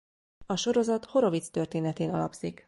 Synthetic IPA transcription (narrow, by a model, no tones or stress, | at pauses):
ɒʃo̞ɾo̞zɒt̪ho̞ɾo̞vit̪st̪ø̞rt̪eːnɛt̪eːnɒ̰lɒ̰bz̥ik